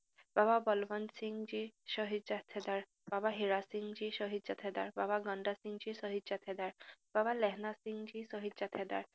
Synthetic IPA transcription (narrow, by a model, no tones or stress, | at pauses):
bababɔlbɔnsiŋd͡ʒiʃɔɦid̪d͡ʒat̪ʰɛd̪aɾ | b̥abaɦiɾasiŋd͡ʒiʃɔɦid̪d͡ʒat̪ʰɛd̪a̰ɾbabaɡɔɳɖasiŋd͡ʒisɔɦid̪d͡ʒat̪ʰɛd̪aɾb̥abalɛɦnasiŋd͡ʒisɔɦid̪d͡ʒat̪ʰɛd̪a̰ɾ